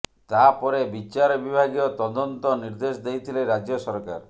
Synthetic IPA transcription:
t̪apɔɾebit͡ʃaɾbibʱaɡiɔt̪ɔd̪ɔnt̪ɔniɾd̪esd̪ejt̪ʰileɾad͡ʒjɔsɔɾka̰ɾ

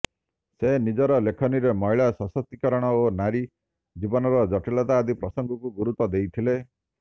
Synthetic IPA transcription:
senid͡ʒɔɾɔlekʰɔniɾemɔɦiɭasɔsɔt̪ikɔɾɔɽ̃ɔonaɽi | d͡ʒibɔnɔɾɔd͡ʒɔʈelat̪aːd̪ʱipɾɔsɔŋɡɔkuɡuɾut̪ɔd̪ejt̪ʰile

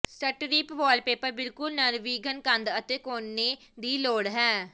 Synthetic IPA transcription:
səʈɾiːpʋɔːlpeːpəɾbɪlkʊlnənʋiːɡənkənd̪ət̪eːkoːnːeː | d̪iːloːɽɦɛː

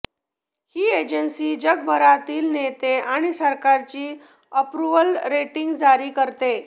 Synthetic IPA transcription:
hiːed͡ʑənsiːd͡ʑəɡbʱəɾat̪iːlnet̪eaɽ̃isəɾkaɾt͡ɕiː | əpɾuʋəlɾeʈiŋɡd͡zaɾiːkəɾt̪e

